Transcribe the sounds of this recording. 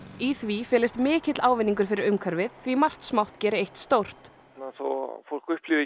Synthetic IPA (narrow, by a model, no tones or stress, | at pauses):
iθvifɛːlɪst̪mɪːcɪt̪laːwvɪnːiŋkʏɾ̥fɪɾɪɾʏmkʰœɾvɪðθvimar̥t̪smawht̪cɛːɾɪejht̪st̪owr̥t̪ | naθɔ̰fowl̥kʏhplʏvɪ